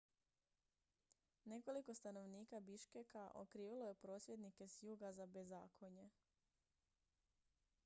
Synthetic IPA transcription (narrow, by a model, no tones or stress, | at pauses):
ne̞ko̞liko̞st̪ano̞ʋniːkabiʃkekaʔo̰kɾiːʋilo̞je̞pɾo̞ːsje̞d̪nike̞sjuːɡazabe̞zaːkʰo̞ɲe̞